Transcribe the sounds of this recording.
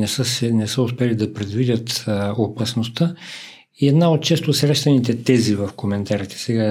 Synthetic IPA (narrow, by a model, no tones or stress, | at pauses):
nɛsəsɛnɛsəʊspɛlid̪ɐpɾɛd̪vidʲət̪opɐsnost̪ə | iɛd̪naot̪̚t͡ʃɛst̪osɾɛʃt̪ɐnit̪ɛt̪ɛzivɐfkomɛnt̪aɾit̪ɛ̥sɛɡa